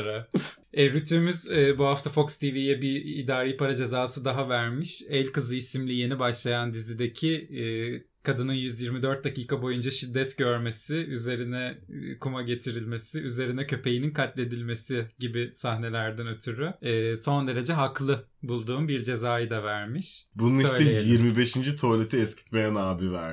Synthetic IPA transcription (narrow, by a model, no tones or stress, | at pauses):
ɾa | ɛɾyt̪ʰymyzɛːbuɦaft̪ʰafo̞kst̪ʰivijɛbiid̪aːɾijːpaɾad͡ʒe̞zaːsɯd̪aɦavæɾmiʃɛlʲkɯzˠɯisimlʲije̞nibaʃlˠajand̪izid̪e̞cʰi | kʰad̪ɯnɯnjyzjiɾmid̪øɾt̪̚d̪aciːkabo̞jund͡ʒaʃid̪ːɛt̪ɟø̞ɾme̞sɪyze̞ɾinɛkʰumaɟe̞t̪ʰiɾilʲme̞sɪyze̞ɾinɛcʰø̞pʰe̞jininkʰat̪lʲe̞d̪ilʲme̞sɪɟibɪsahne̞lʲæɾd̪ænø̞t̪ʰyɾyɛːso̞nd̪e̞ɾe̞d͡ʒɛɦaklˠɯbulˠd̪uːmbiɾd͡ʒe̞zaːjɯd̪avæɾmiʃbununiʃøjlɛejeiɾmibeʃind͡ʒit̪ʰo̞lʲe̞t̪ʰiɛscʰi̥t̪mejɛnaːbivæ̰ɾ